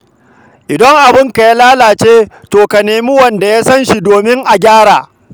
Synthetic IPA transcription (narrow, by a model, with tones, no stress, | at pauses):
ʔɪ˨dɐ˦ŋʔa˨bɪ˦ŋka˨ja˦laː˦laː˨t͡ʃeː˦toː˨ka˨neː˨mi˦wɐ˨nda˨jaː˦sɐ˦nʃi˨doː˨mɪ˦ŋʔa˨ɡʲaː˦ɽaː˨